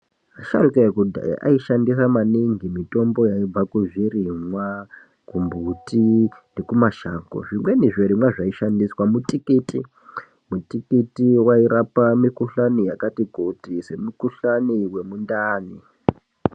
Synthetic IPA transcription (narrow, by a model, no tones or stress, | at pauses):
maʃa̰ɾukaekudʱa̰jḭʔa̰iʃandisamaniŋɡimito̞mbo̞jaib͡vakuʐirimwa | kumbutʰinekumaʃaːko̰ʐimwe̞niʐeɾimwaʐaiʃandiswamutikiti | mutikitiwaiɾapamikuɬanijakatikutise̞mukuɬaniwe̞mundaːni